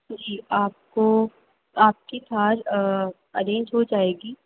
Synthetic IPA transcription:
d͡ʒiːaːp̚ko | aːp̚kit̪ʰaːɾ | ɐɾẽːɲd͡ʒɦod͡ʒaːeːɡiː

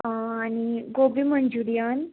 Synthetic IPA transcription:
aniɡobiməɲd͡ʑuɾijan

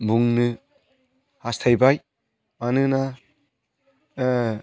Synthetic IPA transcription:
buŋnɯ | hastʰajbaj | manɯna

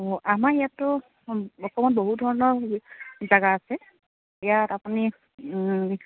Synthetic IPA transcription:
oʔamaijatʊ | ɔkʰɔmɔt̚boɦudʱɔɹɔnɔɹ | zaɡaːsɛ | ɛjatapuni

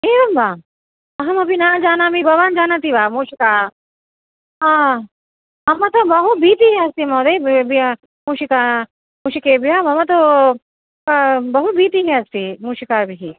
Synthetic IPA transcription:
eːʋɐmbaː | ɐɦɐmɐbinaːd͡ʒaːnaːmibɐʋaːnd͡ʒaːnat̪ibaːmuːʃika | a | ɐmãt̪obɐɦut̪̚biːt̪iɦẽɐst̪imoːd̪ebi | muːʃikaː | muːʃikebiɦamɐmãt̪̬o | bɐɦut̪̚biːt̪iɦẽɐst̪imuːʃikaːɾbʱiɦi

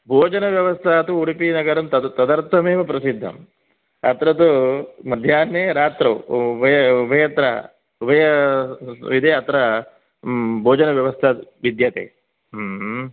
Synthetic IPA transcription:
bʱoːd͡ʒɐnɐʋjɐʋɐst̪ʰaɐt̪uuɽipinɐɡɐɾɐmt̪ɐt̪ɐd̪ɐɾt̪ʰːɐmeːʋɐpɾɐsid̪ʱːɐ̰m | ɐ̰t̪ɾɐt̪̬umɐd̪ʱjaːnːeːɾaːt̪ɾɐubʱɐjɐubʱɐjɐt̪ɾɐ̰ | ubʱɐjɐ | ʋid̪ʱeːɐt̪ɾɐ | bʱoːd͡ʒɐnɐʋjɐʋɐst̪ʰɐʋid̪jɐt̪ḛː

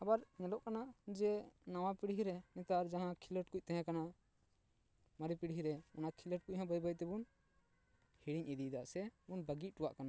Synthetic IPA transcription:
abaɾɲɛlɔʔkanaʔd͡ʒɛnaw̃ãpiɽiɦiɾɛnɛt̪aɾd͡ʒãɦãkʰiləʈkuc̚ˀt̪ɛ̃ɦãkana | maɾipiɽiɦiɾɛɔnakʰiləʈ̚kuc̚ɦãbəjbajt̪ɛbun | hiɽiɲʔid̪id̪aʔsɛunbəɡiˀʈuwaʔkana

